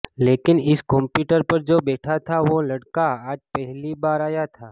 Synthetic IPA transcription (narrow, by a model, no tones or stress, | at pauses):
leːkɪnɪskɔ̃mpjuːʈəɾpɐɾd͡ʒoːbɛːʈʰat̪ʰaʋolɐɽkaaːd͡ʒpɛɦlibaːɾaːjat̪ʰaː